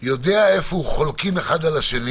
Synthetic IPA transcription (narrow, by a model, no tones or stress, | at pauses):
jo̞d̪eae̞fouχolkimeχad̪alaʃeni